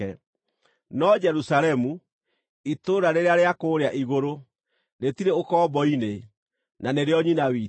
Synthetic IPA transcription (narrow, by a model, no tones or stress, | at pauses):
ɛ | nɔd͡ʒɛɾusaɾɛmu | itoːɾaɾeɾeaɾeakoːɾeaʔiɣoɾo | netiɾeokɔːbɔine | naneɾeɔɲinawi